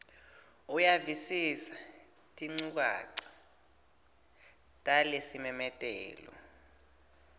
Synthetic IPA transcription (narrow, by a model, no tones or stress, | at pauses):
ujavisisḁ | tʼiŋ͡ǀuk̬a̰ːǀḁ | tʼalesimɛmɛtʼɛ̰ːlɔ̰